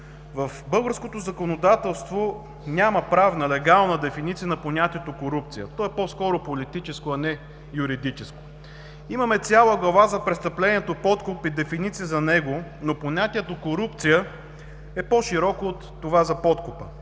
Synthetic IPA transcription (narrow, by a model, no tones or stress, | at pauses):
vəfbɤlˠɡəɾskot̪ozɐkonod̪at̪ɛlˠst̪vo | nʲaməpɾavnɐlɛɡalˠnəd̪ɛfinit̪siənɐponʲat̪ʲiɛt̪okoɾup̚t̪sijət̪ɔɛpɔskɔɾʊpolit̪it͡ʃɛskoɐnɛ | juɾid̪it͡ʃɛsko̥ | imɐmɛt̪sʲalˠəɡlˠɐvazɐpɾɛst̪ɐplɛnʲiɛt̪opɔt̪kʊpid̪ɛfinit̪siəzɐnɛɡonoponʲat̪iɛt̪okoɾupt̪sijə | ɛpɔʃiɾɔkoːt̪ːovazɐpɔt̪kʊpə